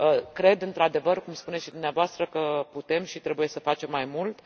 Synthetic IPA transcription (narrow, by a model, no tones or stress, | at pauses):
əkɾe̞d̪ɨnt̪ɾad̪e̞vərkumspunesʃid̪umneavoast̪ɾəkəput̪e̞mʃit̪ɾebuje̞səfat͡ʃe̞mːajmult̪